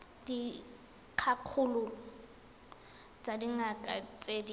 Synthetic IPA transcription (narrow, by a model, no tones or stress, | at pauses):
d̥i | kʰakʰulʊ | t͡sʼadiŋakʼat͡sʼedi